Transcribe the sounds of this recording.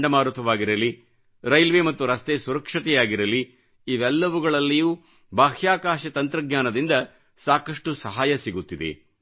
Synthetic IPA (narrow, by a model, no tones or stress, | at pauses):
ɖɐmaːɾut̪ʰɐʋaːɡiɾɐlːi | ɾɐjlʋemɐt̪ːuɾɐst̪esuɾɐkʂɐt̪ɛjaːɡiɾɐli | iʋɛlːɐʋuɡɐɭɐlːijuː | bʱaːhjaːkaːʃɐt̪ɐnt̪ɾɐɡɲaːnɐd̪ind̪ɐ | saːkɐʂʈusɐɦaːjɐsiɡut̪ːid̪e̞̰